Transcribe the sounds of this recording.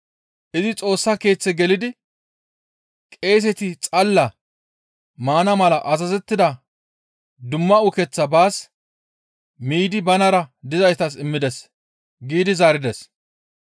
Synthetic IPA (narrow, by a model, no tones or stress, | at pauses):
ʔɪzɪt͡sʼo̞ːsːɐke̞ːt͡sːɛɡɛlɪd̪ɪ | kʼe̞ːs̬ɛt̪ɪt͡sʼɐlːɐ | maːnɐmɐlɐʔɐzɐzɛt̪ːɪd̪ɐ | d̪ʊmːɐʊkɛt͡sːɐbaːs | miːd̪ɪbɐnɐɾɐd̪ɪzɐjt̪ɐsɪmːɪd̪ɛs | ɡiːd̪ɪzaːɾɪd̪ɛs